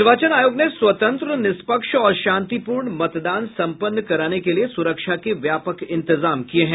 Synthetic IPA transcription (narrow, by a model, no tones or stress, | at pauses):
ɾʋaːt͡ʃənaːjoːɡnesʋɐt̪ə̃nt̪ɾənɪspəkʃɔːɾʃãːnt̪ipuːɾɳmɐt̪d̪aːnsɐ̃mpənːkɐɾaːnekeliesʊɾəkʃakeʋjaːpəkɪ̃nt̪ɪzaːmkieɦɛ̃